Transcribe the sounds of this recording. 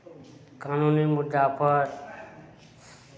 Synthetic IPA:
kanunimʊd̪ːapʌɾ

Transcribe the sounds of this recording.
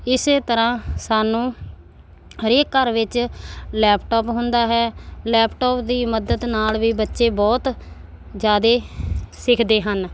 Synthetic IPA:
ɪseːt̪əɾãːsaːnũː | ɦəɾeːkəɾʋɪt͡ʃlɛːpʈɔːpɦʊnd̪aːɦɛːlɛːpʈoːpd̪iːməd̪əd̪naːlʋiːbətːʃeːbɔːt̪ | d͡ʒjaːd̪eːsɪkʰd̪eːɦən

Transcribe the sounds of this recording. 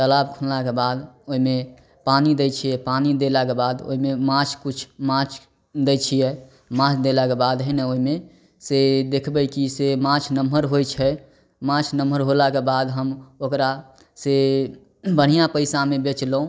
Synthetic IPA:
t̪əlabkʰunlakebad̪oɦime | panid̪et͡ʃʰijɛpanid̪elakebad̪o̰imemãt͡ʃʰkut͡ʃʰmãt͡ʃʰ | d̪et͡ʃʰijɛ | mãt͡ʃʰd̪elakebad̪ɦəjnɛoɦime | sed̪ekʰbɛkisemãt͡ʃʰnəməɾɦojt͡ʃʰɛ | mãt͡ʃʰnəməɾɦolakebad̪ɦəmokɾa | se | bəɽ̤ijapəɪsamebet͡ʃləũ

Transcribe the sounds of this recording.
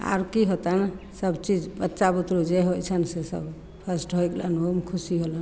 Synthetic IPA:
a̰ɾkiɦot̪an | səbt͡ʃid͡ʒbətːʃabut̪ɾod͡ʒeɦojt͡ʃʰənsesə̰b | pʰəsʈɦojklanomkʰusiɦolən

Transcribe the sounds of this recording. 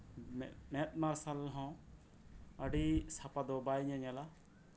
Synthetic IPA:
mɛt̪̚maɾsalɦɔ̃ | əɖisapad̪ɔbajɲaɲala

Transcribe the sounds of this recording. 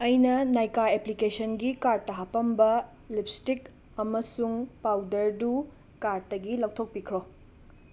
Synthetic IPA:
ɐjnɐnajkaeplikesʰɐnɡikaɾ̚tɐɦapɐmbɐ | lip̚stik | ɐmɐsuŋpawdɐɾdu | kaɾ̚tɐɡilɐw̚tʰok̚pikʰɾo

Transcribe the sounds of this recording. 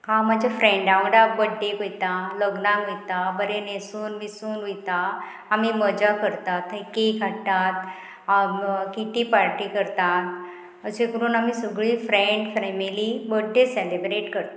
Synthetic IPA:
hãmad͡ʑʱafɾẽɳɖaʋəɖabəɖːekojt̪aləɡnãkjt̪abəɾenesuːnʋisuːnijt̪a | amiːməd͡ʑakəɾt̪at̪əkekat̪at̪ | kit̪iːpaɾʈikəɾt̪at̪ | əsẽkəɾuːnamiːsəɡɭiːfɾeɳɖfɾɛmilibəɖːeselebɾeʈkəɾt̪a

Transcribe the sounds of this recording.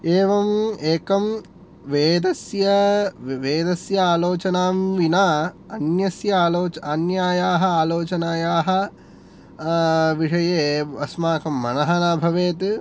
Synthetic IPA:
eːʋɐmeːkɐm | ʋeːd̪ɐsjɐʋeːd̪ɐsjɐaːloːt͡ʃɐnaːmʋinaː | ɐnjɐsjɐaːloːt͡ʃanjaːjaːɦɐaːloːt͡ʃɐnaːjaːɦɐ̆ | ʋiʂɐjeːɐsmaːkɐmːɐnɐɦɐnabʱɐʋeːt̪

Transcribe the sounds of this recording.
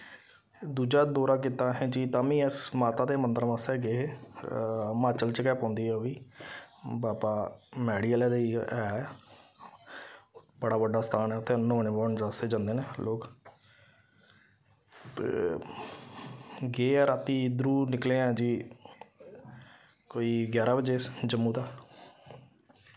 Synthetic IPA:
d̪uːd͡ʒaːd̪oːɾaːk̬it̪aːɦɛ̃ːd͡ʒiːt̪aːmĩːɛsmaːt̪aːd̪eːmənd̪əɾmãːsɛːɡeːɦeː | maːt͡ʃəlt͡ʃəkɛːpãːnd̪iːɦɛoiː | baːpaːmɛːɽiːəlɛːd̪eiːɛː | bəɽaːʋəɖaːst̪ʰaːnɛːt̪ẽːnõːneːbɔːɳd͡ʒaseːd͡ʒãːnd̪eːneːlʔoːk | t̪ḛː | ɡeːɛːɾaːt̪iːd̪ɾuːnɪkleːɛ̃ːd͡ʒiː | koːiːɡjaːɾaːbəd͡ʒeːd͡ʒəmːũːd̪aː

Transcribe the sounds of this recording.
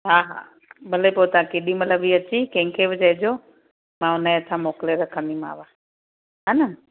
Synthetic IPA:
ɦaɦa̰ | bələpot̪ãkeɗĩmətləbiːət͡ɕikẽɦŋkʰeʋɪd͡ʒəɪd͡ʑo | mãːʊnaeət̪ʰãmoːkleɾəkʰə̃nd̪ima̰ːʋã | ɦanə

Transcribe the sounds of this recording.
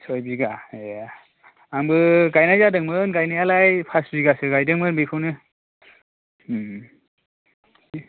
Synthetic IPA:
sʰɔjbiɡaja | ambɯɡajnajzadɯŋmɯnɡajnajalajpʰasbiɡasɯɡajdɯŋmɯnbikʰɯwnɯ

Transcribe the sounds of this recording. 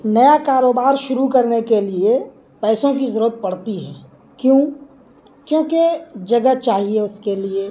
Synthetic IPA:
nɐjakaːɾoːbaːɾʃʊɾukɐɾnekelie | pɛːsõkizɐɾuːət̪̚pɐɽ̤t̪iɦɛ̰̃ː | kjõː | kjõːked͡ʒɐɡət͡ʃaːɦieʊskelie

